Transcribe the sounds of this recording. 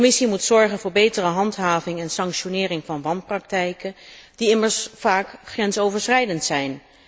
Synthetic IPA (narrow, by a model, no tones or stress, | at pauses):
mɪsimutsɔɹχənvʊːɹbejtərəɦɑntɦaːvɪŋɛnsɑŋkʃonɪːrɪŋvɑnʋɑnprɑk̚tɛjkənd̥iɪməɹsfaːkχrɛnsowvəɹsrɛjdəntsɛjn